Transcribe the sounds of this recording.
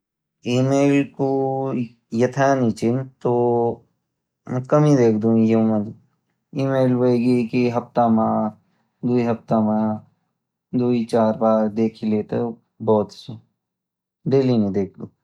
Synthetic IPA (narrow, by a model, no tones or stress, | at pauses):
iːmeːlko | jɐt̪ʰanit͡ʃɪnt̪oː | mɛ̃kɐmĩd̪eːkʰd̪ũjomɐ̃d̪ | iːmeːlbəiɡikiɦɐft̪amãː | d̪uiɦɐft̪amã | d̪uit͡ʃaːɾbaːɾd̪eːkʰileːt̪e | bɔːt̪se | ɖeːlinẽd̪eːk̚ʰd̪ũː